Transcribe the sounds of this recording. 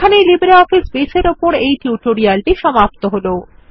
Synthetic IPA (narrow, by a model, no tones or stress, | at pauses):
kʰanelibeɾeɔfisbeseɾopoɾejʈuʈoɾialʈiʃɔmap̚t̪oɦolo